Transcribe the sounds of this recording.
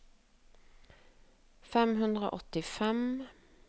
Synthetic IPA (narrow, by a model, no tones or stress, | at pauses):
fɛmhʉnd̪ʁo̰ʔɔt̪ɪfɛm